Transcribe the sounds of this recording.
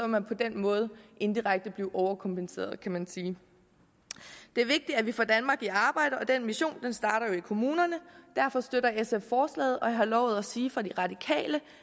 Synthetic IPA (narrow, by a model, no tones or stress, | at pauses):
sɒʋmænpʰɒ̽d̥enmɔ̽ːð̞̩ˠəʔe̝nd̥iʁɑ̈ɡ̥̚d̥əb̥liʊʔɒʊɐkʰɒ̽mpʰense̝̰ːɐð̩ˠkʰæmænsiː | d̥e̝æɐʋe̝ɡ̥̚d̥iæʋifɒd̥ænmɑ̈ːɡ̥iɑ̈ːb̥ɑ̈ɪɾəɒ̽d̥enmiɕo̝̰ːnd̥ensd̥ɑ̈ːɾ̥ɐjo̝ikʰo̝muːnɐnəd̥æɐfɒ̽sd̥øɾɐeseffɒːslɛ̰ːð̩ˠʔɒ̽jɦɑ̈lɒʊð̞ˠæsiːfɑ̈d̥iʁɑ̈d̥ikʰɛ̰ːlə